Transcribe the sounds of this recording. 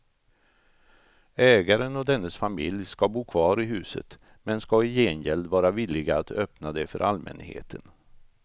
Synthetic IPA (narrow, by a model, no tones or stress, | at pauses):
ɛːɡaɾənɔd̪ɛnːəsfamɪljskabuːkʰvɑːɾɪɦʉ̟ːsə̰t̪ | mɛnskaɪjeːnjɛld̪vɑːɾaviːlɪɡaːt̪œpnad̪ɛfœ̰ɾʔalmʔɛ̰nhḛːt̪ʰən